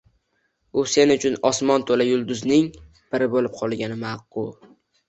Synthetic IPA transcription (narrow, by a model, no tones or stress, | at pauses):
ʊsenʊt͡ʃʰʊnɒsmɒnt̪ʰolajʊlˠd̪ʊznɪŋ | b̥ɪɾɪbolɪp̚qʰɒlˠɡʲanɪmaqːʊ